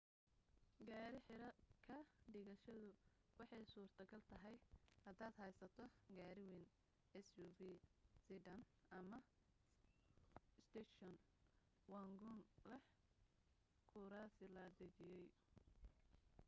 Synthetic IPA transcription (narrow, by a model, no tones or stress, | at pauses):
ɡaːɾɪħɪɾɐkʰɐɖɪɣɐʃɐðʊwɑħɑjsuːrt̪ʰɐɡɐlt̪ʰɐɦɛjhɐd̪aːd̪ɦɛjsɐt̪ʰɔɡaːɾɪwin | ɛsuːvisid̪ɐn | ɐmɐ | st̪ʰɛʃɔn | waŋɡʊnlɛ | kʰʊɾasɪlɐd̪ɐd͡ʒɪjɛj